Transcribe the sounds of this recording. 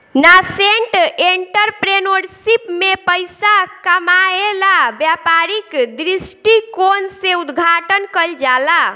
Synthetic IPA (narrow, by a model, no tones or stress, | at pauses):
naseɳʈeɳʈəɾpɾenoɖsipmepəjsakəmaelabjapaɾikd̪ɾisʈikonseud̪ɡʱaʈənkəld͡ʒala